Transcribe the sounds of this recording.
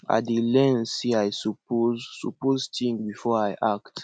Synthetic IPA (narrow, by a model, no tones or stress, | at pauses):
a̰tdilɛ̃nsiajsɔpozɔpoztĩŋbifɔajʔakt